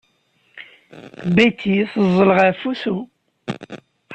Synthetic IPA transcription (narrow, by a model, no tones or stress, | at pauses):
bæjt̪ːiθəzˤːələʁæfuθu